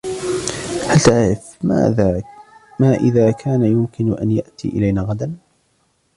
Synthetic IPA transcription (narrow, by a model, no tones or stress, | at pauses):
halt̪aʕɾɪf | a̰amaːʔɪðaːkʰaːnajʊmkɪnʔa̰njaʔt̪ḭːʔɪ̰lajnaːɣad̪an